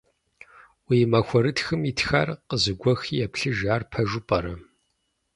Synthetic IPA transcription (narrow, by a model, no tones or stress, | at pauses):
wiːmɐxʷɔɾɨtxɨmitxa̰rqəzɨɡʷɔxijɛpɬɨʒaːrpʰɐʒʷʊpʼɐɾɐ